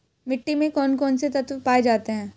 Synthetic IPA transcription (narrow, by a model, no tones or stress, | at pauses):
mɪʈːimẽkɔːnkɔːnset̪ɐt̪ʋpaːed͡ʒaːt̪eɦɛ̃ː